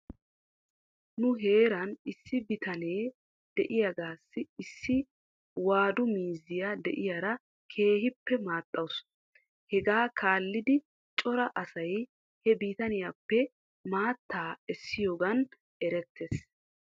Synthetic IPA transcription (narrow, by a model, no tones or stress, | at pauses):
nʊɦe̞ːɾɐnɪsːɪbɪt̪ɐne̞ː | d̪̥ɛʔɪjɐɡaːsːɪɪsːɪ | waːd̪ʊmiːzːɪjad̪ɛʔɪjaɾɐ | kʰe̞ːɦɪpːɛmaːt̪ʼːɐwʊs | hɛɡaːkʰaːlːɪd̪ɪ | t͡ʃʼɔɾɐʔɐsɐj | hɛbiːt̪ɐnɪjapːɛ | maːt̪ːaːɛsːɪjoːɡɐn | ʔɛɾɛt̪ʰːeːs